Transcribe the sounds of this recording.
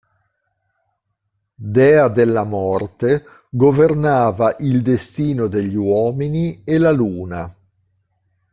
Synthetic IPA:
d̪ɛːad̪elːamɔrt̪e | ɡovernaːvaʔild̪est̪iːnod̪eʎːiwɔːminielaluːna

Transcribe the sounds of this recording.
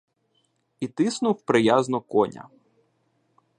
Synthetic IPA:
it̪ɪsnʊwpɾɪjaznɔkɔnʲɐ̰

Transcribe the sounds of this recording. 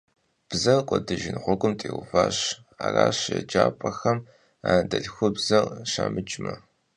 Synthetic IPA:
b̥zɐrqʷʼɔdɨʒɪnʁʷɔɡʷʼʊmtʼeːwʊfaːɕ | aːraːɕjɐd͡ʒaːpʼɐxɐm | aːndɐɬxʷʊbzɐrʃaːmɨt͡ʃʼmɐ

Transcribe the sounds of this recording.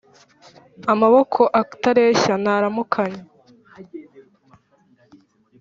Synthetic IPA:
amaβokʰo̞ʔaktaɾeːçanaɾamukʰaɲe

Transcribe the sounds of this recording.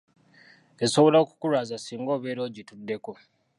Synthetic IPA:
e̞so̞βo̞laoku̥kuɾaːzasiːŋɡo̞ːβeːɾo̞ːɟitudːe̞ko̞

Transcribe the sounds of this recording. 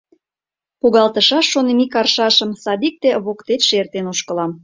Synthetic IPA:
puɣɑlt̪əʃɑʃːonemikɑrʃɑʃə̆msɑd̪ik̚t̪eβokt̪et̪ʃert̪enoʃkə̆lɑm

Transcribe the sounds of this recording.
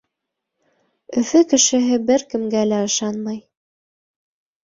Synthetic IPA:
ɵ̆fɵkɘ̆ʃɘ̆ɦɘbɘɾkɘ̆mɡælæɤ̆ʃɑnmɑj

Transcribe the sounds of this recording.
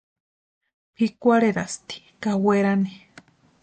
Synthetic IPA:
pʰikʷaɾeɾast̪i̥ | kaweɾane

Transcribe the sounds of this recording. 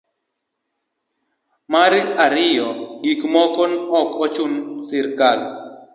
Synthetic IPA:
maɾiaɾɪjɔɡikmɔkɔnɔkɔt͡ʃunsɪɾkal

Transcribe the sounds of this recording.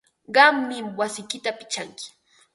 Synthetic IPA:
ɢɑmːɪmwasɪjkɪt̪apɪ̥t͡ʃaŋkɪ̥

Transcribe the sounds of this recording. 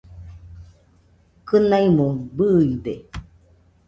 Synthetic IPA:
kɨnaimobɯibe

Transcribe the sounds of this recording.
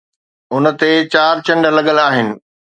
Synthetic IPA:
ʊnə̆t̪et͡ɕaːɾt͡ɕɐ̃ɳɖəlɐɠəlaːɦɪnɪ̆

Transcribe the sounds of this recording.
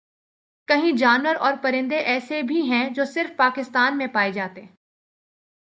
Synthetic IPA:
kɐɦĩd͡ʒaːnwəɾɔːɾpɐɾɪ̃nd̪eʔɛːsebʱiɦɛ̃d͡ʒoːsɪɾfpaːkɪst̪aːnmẽpaːed͡ʒaːt̪eɦɛ̃ː

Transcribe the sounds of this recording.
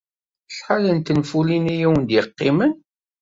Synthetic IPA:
sħalənt̪ənfulinijiwənd̪jəqːimən

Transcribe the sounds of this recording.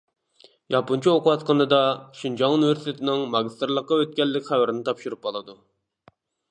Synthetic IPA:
jɑpunt͡ʃʰioqʰʊwɑt̪qənɨd̪ɑʃind͡ʒɑŋuniveɾsit̪ʰet̪ʰɪnɪŋmɑɡʲist̪ɾlˠəqːɑøt̪̚kʲɛlːɪkʲχæwæɾɪnɪt̪ʰɑpʃuɾup̚qɑlˠɨd̪u

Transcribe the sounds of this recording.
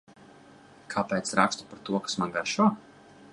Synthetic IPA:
kʰapɛːt̪sɾakst̪u̥paɾt̪uɔkḁsmanɡaɾʃuɔ

